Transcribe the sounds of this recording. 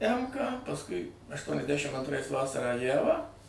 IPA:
ˈɛmkɑː pɐsˈkʊɪ ɐʃtuɔnʲɛzʲˈdʲæʃʲɪm ɐntˈrɐɪs ˈʋɑːsɐrɑː ˈjæʋɑː

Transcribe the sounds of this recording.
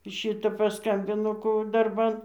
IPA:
ˈʃʲɪtɐ pɐˈskɐmʲbʲɪnoː ˈkoː ɐʊ dɐrˈbɐn

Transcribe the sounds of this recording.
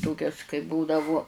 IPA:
ˈtoːkʲɛs kɐɪ ˈbuːdɐʋʊ

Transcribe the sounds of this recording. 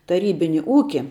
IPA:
tɐˈrʲiːbʲɪnʲɪ ˈuːkʲɪ

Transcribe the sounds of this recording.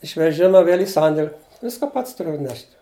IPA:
ɪʃ ʋʲɛˈʒʲɪmɐ ˈʋʲeːlʲ iː ˈsɐnʲdʲeːlʲ ˈʋʲɪskɑː ˈpɐts tʊˈrʲʊ ɐtʲˈnʲɛʃʲtʲ

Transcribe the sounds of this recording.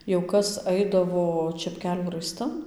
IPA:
jɛʊ ˈkɐs ˈɐɪdɐʋoː t͡ʃʲɛpʲˈkʲæːlʲuː rɐɪˈstɐn

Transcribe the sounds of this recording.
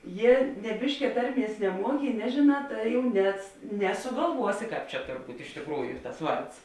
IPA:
ˈjiɛ nʲɛ ˈbʲɪʃʲkʲɛ ˈtɐrʲˌmʲiɛs nʲɛˈmuɔkʲɪ ɪ ˈnʲæːʒʲeːˌnɑː ˈtɐɪ jɛʊ nʲɛs nʲɛsʊɡɐlˠˈʋuɔsʲɪ ˈkɑːp t͡ʃʲɛ ˈtoːr ˈbuːtʲ ɪʃ tʲɪkˈruːjʊ tɐs ˈʋɐrts

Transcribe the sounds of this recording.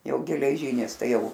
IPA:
ˈjɛʊ ɡʲɛlʲɛˈʒʲiːnʲɪs ˈtɐɪ ˈjɛʊ

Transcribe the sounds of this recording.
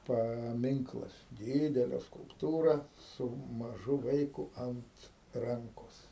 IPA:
pɐˈmʲɪŋklˠɐs ˈdʲɪdʲɛlʲɛ skʊlˠpˈtuːrɐ sʊ mɐˈʒʊ ˈʋɐɪkʊ ˈɐnt ˈrɐŋkoːs

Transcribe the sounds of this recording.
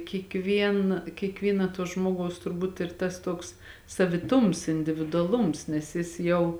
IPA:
kʲiɛkˈʋʲiɛn kʲiɛkˈʋʲiːnɐ tuɔ ˈʒmoːɡɐʊs tʊrˈbuːt ɪr ˈtɐs ˈtoːks sɐʋʲɪˈtʊms ɪnʲdʲɪʋʲɪdʊɐˈlˠʊms nʲɛs ˈjɪs jɛʊ

